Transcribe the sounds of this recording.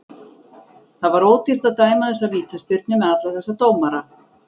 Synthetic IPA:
θaðvaɾoːwt̪ir̥t̪aðt̪aːjmaθɛs̬ːaviːt̪aspɪɾt̪nʏmɛðat̪laθɛsːat̪oːwmaɾa

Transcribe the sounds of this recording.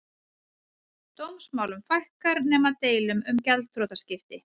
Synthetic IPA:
t̪owmsmaːwlʏmfajhkaɾnɛːmat̪eːjlʏmʏmcɛlt̪ʰɾowt̪ascɪft̪ɪ

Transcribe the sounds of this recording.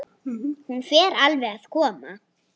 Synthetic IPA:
hunfjɛːɾalvɛɣaðkʰɔːma̰

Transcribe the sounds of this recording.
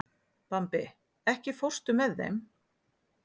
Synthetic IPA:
pampɪ | ɛhcɪfowr̥st̪ʏmɛðːḛjm

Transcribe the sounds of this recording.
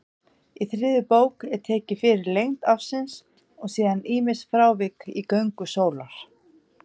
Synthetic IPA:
iθɾɪːðʏpoːwkɛɾ̥t̪ʰɛːcɪfɪːɾɪɾlejŋ̥t̪afsɪns | ɔɣsiːðaniːmɪsfɾaːwvɪkikœɥŋkʏsoːwlaɾ̥

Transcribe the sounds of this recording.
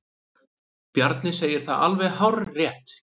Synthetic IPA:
pjaɾt̪nɪseːjɪɾ̥θa̰ða̰lvɛɣɦawɾrɛht̪

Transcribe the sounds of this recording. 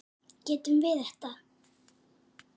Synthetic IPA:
cɛːt̪ʏmvɪθɛht̪a

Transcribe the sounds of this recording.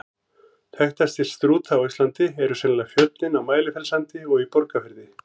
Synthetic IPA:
θɛht̪ast̪ɪl̥st̪ɾuːt̪ʰawist̪lant̪ɪɛɾʏsɛnlaɣfjœt̪nɪnawmaːjlɪfɛlsant̪ɪɔɣipɔɾkafɪɾðɪ

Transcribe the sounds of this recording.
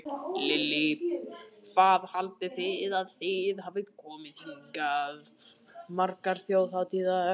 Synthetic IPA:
lɪlːɪpvaːðhalt̪ɪθɪðaðθɪðɦavɪt̪kʰɔːmɪðhiŋkaðmaɾkaɾ̥θjoːwθawt̪ʰiða

